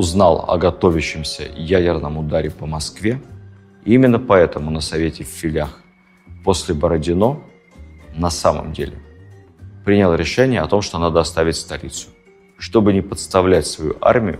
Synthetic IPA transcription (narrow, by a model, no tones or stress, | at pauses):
ʊznalˠɐ̰ɡɐt̪o̞vʲɪɕːɪmsʲə̰jædʲɪrnəmʊd̪aɾʲɪpəmɐskvʲe̞ | imʲɪnːəpɐɛt̪əmʊnəsɐvʲetʲɪfʲfːʲɪlʲax | po̞sʲlʲɪbəɾədʲɪno̞ | nɐsamə̰mdʲḛlʲɪ̰ | pɾʲinʲɪlˠɾʲɪʂɛnʲɪjəɐt̪o̞mʂt̪o̞nad̪əɐst̪avʲɪtʲst̪ɐlʲit̪sʊ̥ | ʂt̪o̞bɨnʲɪpət̪st̪ɐvlʲætʲsvɐjṵʔa̰rmʲɪjʊ̰